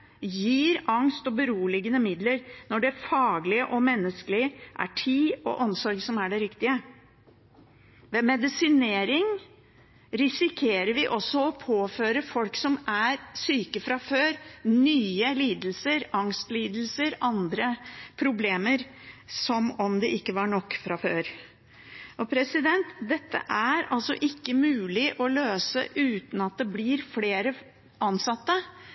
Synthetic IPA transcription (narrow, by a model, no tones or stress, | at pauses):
jiːɾɑŋst̪ɔbəɾuːlɪɡənəmɪd̪ləɾnɔɖɛfɑːɡlɪəʔɔmɛnːəskəlɪʔæ̰ʈʰiːɔ̰ʔɔmsɔɾɡsɔmæɖɛɾɪkt̪ɪə | ʋɛmɛd̪ɪsɪneːɾɪŋ | ɾɪsɪkʰeːɾəɾʋɪʔɔsːɔɔpʰoːføːɾəfɔlksɔmæɾsyːkəfɾɑføːɾnyːəliːd̪lsəɾɑŋst̪liːd̪lsəɾʔɑnd̪ɾəpʰɾʊbleːməɾ | sɔmɔmd̪ɛʔɪkːəʋɑɳɔkːfɾɑføːɾ | ʔɔpʰɾɛsɪd̪ɛnt̪d̪ɛt̪ːə̰ʔæɾɑlsɔ̰ʔɪkːəmʉːlɪʔɔløːsə̰ʔʉːt̪n̩ɑt̪̚d̪ɛblɪɾfleːɾə | ɑnsɑt̪ːə